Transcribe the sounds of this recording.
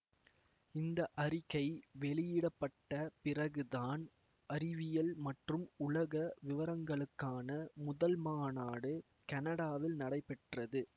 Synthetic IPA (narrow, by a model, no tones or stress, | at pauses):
ɪnd̪ɐʔɐɾɪɣɐɪʋɛɭɪjɪɽɐpːɐʈːɐpɪrɐɣɯðaːn | ɐɾɪʋɪjɐlmɐʈrɯmʊlɐɣɐʋɪʋɐɾɐŋɡɐɭɯkːaːnɐmʊðɐlmaːnaːɽɯ | kɐnɐɽaːʋɪlnɐɽɐɪpːɛʈrɐðɯ